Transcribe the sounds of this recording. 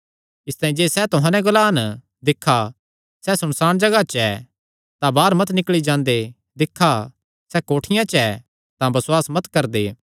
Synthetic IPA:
ɪst̪ãːĩd͡ʒeːsɛt̪ʊɦãːnɛ̃ɡʊlaːn | d̪ɪkʰːa | sɛsʊɽ̃saːɽ̃d͡ʒɐɡat͡ʃɛ | t̪ãbaːɾmɐt̪nɪkɭid͡ʒãːnd̪e | d̪ɪkʰːa | sɛkoːʈʰɪjãt͡ʃɛ | t̪ãbɐswaːsmɐt̪kɐɾd̪eː

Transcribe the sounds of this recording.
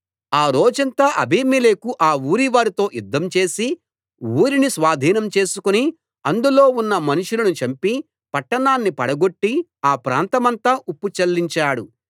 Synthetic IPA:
aːɾoːd͡ʒɐnt̪aːʔɐ̰bʱiːmileːkuʔaːuːɾiʋaːɾit̪o̞ːjud̪ːɐmt͡ʃe̞ːsi | uːɾinisʋaːd̪ʱiːnɐmt͡ʃe̞ːsukuni | ɐnd̪ulo̞ːunːɐmɐnuʂulɐnut͡ʃɐmpi | pɐʈːɐɳaːnːipɐɽɐɡo̞ʈːiaːpɾa̰ːnt̪ɐmɐnt̪aːʔupːut͡ʃɐlːiɲt͡ʃaːɽu

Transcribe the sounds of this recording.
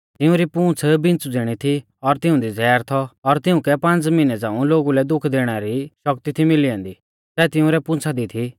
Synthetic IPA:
t̪ɪũɾipũːt͡sʰbɪ̃nt͡sud͡zeɽ̃it̪ʰi | ɔɾt̪ɪʊ̃d̪id͡zɛːɾt̪ʰɔɔɾt̪ɪũkɛpɐ̃nt͡smɪnɛd͡zãːũloːɡulɛd̪ʊkʰd̪eːɽ̃aɾiʃɔkt̪it̪ʰimɪliãːnd̪i | sɛːt̪ɪʊ̃ɾɛpʊ̃ːt͡sʰad̪it̪ʰi

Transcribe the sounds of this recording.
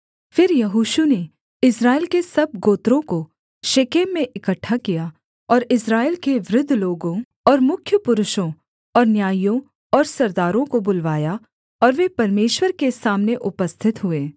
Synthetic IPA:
fɪɾjɐɦuːʃune | ɪsɾaːelkesɐb̚ɡoːt̪ɾõko | ʃekeːmẽʔɪkəʈʰːakija | ɔːɾɪsɾaːelkeʋɾʊd̪ʱːloːɡõ | ɔːɾmʊkʰjəpʊɾʊʃõ | ɔːɾnjaːjõ | ɔːɾsɐɾd̪aːɾõkobʊlʋaːja | ɔːɾʋepɐɾmeːʃwəɾkesaːmneʔʊpəst̪ʰɪt̪ɦʊeː

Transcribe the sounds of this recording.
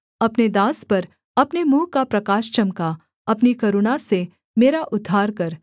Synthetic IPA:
ɐpned̪aːspɐɾ | ɐpnemuːkapɾɐkaːʃt͡ʃɐmka | ɐpnikɐɾʊnase | meːɾaʔʊd̪ʱːaːɾkɐɾ

